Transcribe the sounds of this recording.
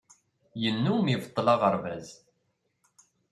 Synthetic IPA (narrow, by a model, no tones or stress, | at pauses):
jənːumjivt̪ˤːlɑʁəɾvæz